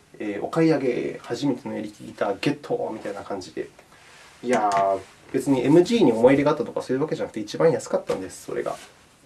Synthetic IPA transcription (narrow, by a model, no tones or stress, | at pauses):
eːo̞̰kaiaɡe̞haʑime̞t̪e̞no̞eɾʲikʲiɡʲit̪aːɡe̞t̪ʰːo̰ːmʲit̪ainakãɲ̟d͡ʑid̪e̞̰ | ia | b̥e̞t͡sɨɲ̟iʔe̞mɯ̟ʑiːɲ̟io̞mo̞iɾeɡat̪ːat̪o̞kasoɾɯ̟βake̞ʑanakɯ̥t̪eit͡ɕibãjasɨ̥kat̪ːã̰nd̪e̞sɨ̥so̞̰ɾe̞̰ɡa̰